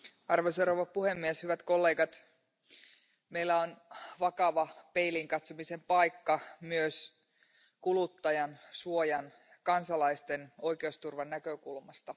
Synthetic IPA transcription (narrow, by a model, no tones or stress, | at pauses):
ɑrʋoseɾoʋɑpuhe̞mːieshyʋæt̪ko̞lːe̞ːɡɑt̪ | meilːæonʋɑkɑʋɑpe̞iliŋkɑt̪somise̞mpɑjkːɑmyøs | kulut̪ːɑjɑnsuojɑn | kɑnsɑlɑist̪eno̞jkeost̪urʋɑnːækøkulmɑst̪ɑ